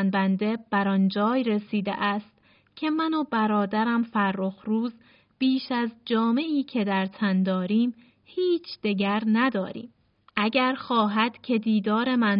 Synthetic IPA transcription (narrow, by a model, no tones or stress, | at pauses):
nbænd̪e̞b̥æɾɒnd͡ʒɒːjɾesiːd̪ḛʔæːst̪ | cʰe̞mænobæɾɒːd̪æɾæmfæɾːoxɾuːz | b̥iːʃæzd͡ʒɒːme̞ʔiːcʰe̞d̪æɾt̪ʰænd̪ɒːɾiːm | hiːt͡ʃʰd̪̥eɟæɾnæd̪ɒːɾḭːm | ʔæɟæɾxɒːɦæd̪̥cʰe̞d̪iːd̪ɒːɾe̞mæn